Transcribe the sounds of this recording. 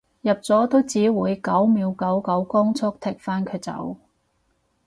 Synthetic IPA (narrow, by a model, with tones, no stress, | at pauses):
jɐ˨p̚t͡sɔː˨˥t̪o˥wt͡siː˨˥wuː˨˧jkɐ˨˥wmiː˨˧wkɐ˨˥wkɐ˨˥wkɔː˥ŋt͡sʰʊ˥k̚t̪ʰɪ˨˩k̚faː˥nkʰɵ˨˧˥t͡sɐ̰˨˥w